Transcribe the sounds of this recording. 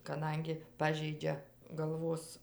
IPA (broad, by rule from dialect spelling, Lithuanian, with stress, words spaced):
kɐˈdɐŋʲɡʲɪ ˈpɑːʒʲɛɪd͡ʒʲɛ ɡɐlˠˈʋoːs